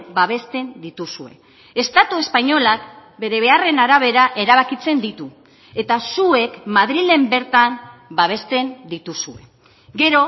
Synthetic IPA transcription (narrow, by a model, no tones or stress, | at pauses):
baβ̞e̞st̪e̞nd̪it̪usue̞̰ | e̞st̪at̪ue̞spaɲo̞lak̚be̞ɾe̞β̞e̞are̞naɾaβ̞e̞ɾaʔe̞ɾaβakit͡se̞nd̪it̪u | e̞t̪asue̞kmaðɾile̞mbe̞ɾt̪ambaβ̞e̞st̪e̞nd̪it̪usue̞ | ɡe̞ɾo̞